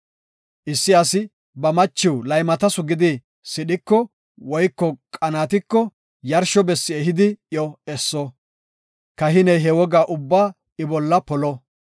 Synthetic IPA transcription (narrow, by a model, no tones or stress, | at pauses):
ʔɪsːɪɐsɪ | bɐmɐt͡ʃːɪwlɐjmɐt̪ɐsʊɡɪd̪ɪ | sɪɗɪkːɔ | wɔjkːɔkʼɐnaːt̪̬ɪkːɔ | jɐɾʃɔbɛsːɪɛɦɪd̪ɪjɔɛsːɔ | kɐɦɪnɛjɦɛwɔɡaːʔʊbːaː | ɪbɔlːɐpɔlɔ